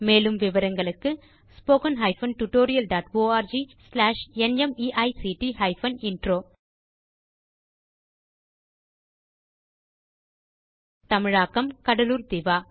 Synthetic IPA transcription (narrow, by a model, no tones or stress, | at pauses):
meːlɯmʋɪʋɐɾɐŋɡɐɭɯkːɯ | spoːkɐnɦɐɪfɐnʈuʈoːɾɪjɐlɖaːʈʋoːaːɾd͡ʒislaːʂɛnɛmiːʔɐɪsiːʈihɐɪfɐnɪɳɖɾoː | t̪ɐmɪɻaːkːɐmkɐɽɐluːɾd̪ɪʋaː